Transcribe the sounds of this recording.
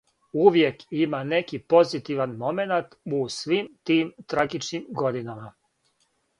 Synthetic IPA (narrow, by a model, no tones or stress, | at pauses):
uʋje̞kimane̞kipo̞zit̪iʋanmo̞menat̪usʋimt̪iːmt̪ɾaɡit͡ʃnimɡo̞d̪inama